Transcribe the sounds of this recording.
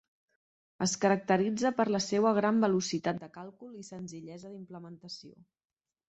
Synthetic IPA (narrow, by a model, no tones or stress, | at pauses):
əskəɾək̚t̪əɾid͡zəpəɾləsewəɣ̞ɾambəlusit̪at̪̚d̪əkalˠkulˠisənziʎɛzəðimpləmənt̪əsio̰